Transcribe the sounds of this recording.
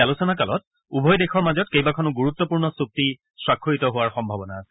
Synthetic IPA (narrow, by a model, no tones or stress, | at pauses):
alusɔnakalɔ̰t̚ | ubʱɔjdekʰɔɹmazɔtkejbakʰɔnʊɡuɹut̪ːɔpuɹnɔsuk̚ti | sɹakʰːuɹitɔɦowaɹxɔmbʱabɔna